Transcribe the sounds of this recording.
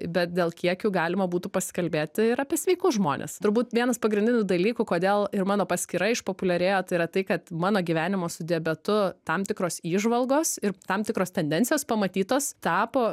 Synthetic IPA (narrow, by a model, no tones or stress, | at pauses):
bʲɛt̪̚d̪ʲeːlˠkʲiɛkʲuɡɑːlʲɪmɐbuːt̪upɐsʲɪ̥kɐlʲbʲeːt̪ʲɪɪɾɐpʲiɛsʲʋʲɛɪkʊʒmoːnʲḛːst̪ʊɾbuːt̪ʋʲiɛnɐspɐɡɾʲɪnʲd̪ʲɪnʲud̪ɐlʲiːkukoːd̪ʲeːlˠɪɾmɑːnoːpɐsʲkʲiɾɐɪʃpoːpʊlʲɛɾʲeːjoːt̪ɐɪɾɐt̪ɐɪkɐt̪mɑːnoːɡʲiʋʲæːnʲɪmoːsʊd̪ʲeːbʲɛt̪ʊt̪ɐmt̪ʲɪkɾoːsiːʒʋɐlˠɡoːsɪɾt̪ɐmt̪ʲɪkɾoːst̪ʲɛnʲd̪ʲɛnʲtt͡ssʲɪjoːspɐmɐt̪ʲiːt̪oːst̪ɑːpoː